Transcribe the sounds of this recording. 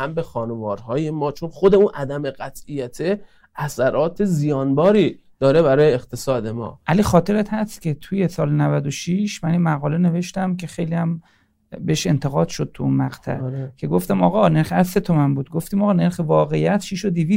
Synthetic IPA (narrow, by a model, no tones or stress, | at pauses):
hæmbexɒːnevɒːɾhɒːjemɒːt͡ʃʰonxod̪eunʔæd̪æmeɣæt̪ijæt̪ʰe | æsæɾɒːt̪ʰe̞zijɒːnbɒːɾiː | d̪̥ɒːɾe̞bæɾɒːjeːqt̪ʰe̞sɒːd̪e̞mɒ̰ːʔæliːxɒːt̪ʰe̞ɾet̪hæst̪cʲʰe̞t̪ʰuje̞sɒːlnævæd̪o̞ʃiʃmæninmæɣɒːle̞ne̞ve̞ʃt̪æmcʰe̞xejliːæm | beeʃe̞nt̪ʰe̞ɣɒːd̪̥ʃo̞d̪̚t̪ʰuunmæɢt̪ʰæ̰kʰe̞ɡo̞ft̪æmɒːɣɒne̞ɾχeæzse̞t̪ʰomænbuːd̪̚ɡo̞ft̪iːmɒːɣɒne̞ɾxevɒːɣejæt̪ʃiʃo̞d̪ivi